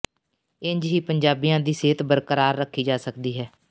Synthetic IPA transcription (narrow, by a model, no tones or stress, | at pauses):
ɪɲd͡ʒɦiːpəɲd͡ʒaːbijãːd̪iːseːt̪bəɾkəɾaːɾːəkʰːiːd͡ʒaːsəkd̪iːɦɛː